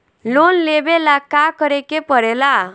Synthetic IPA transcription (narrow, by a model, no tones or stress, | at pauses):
lonlebelakakəɾekepəɾɛla